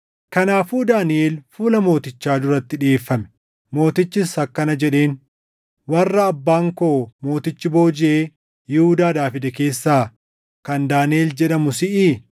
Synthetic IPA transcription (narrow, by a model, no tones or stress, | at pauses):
kɐnaːfuːd̪aːnɪʔe̞ːlfuːlɐmo̞ːt̪ɪt͡ʃːaːd̪ʊɾɐt̪ːɪᶑɪeːfːɐmɛ̥ | mo̞ːt̪ɪt͡ʃːɪshɐkːɐnɐd͡ʒɛᶑe̞ːn | wɐrːɐːbːaːŋkomo̞ːt̪ɪt͡ʃːɪbo̞ːd͡ʒɪʔeː | jɪhʊd̪aːd̪aːfɪd̪ɛke̞ːsːaː | kɐnd̪aːnɪeːld͡ʒɛᶑɐmʊsɪʔɪː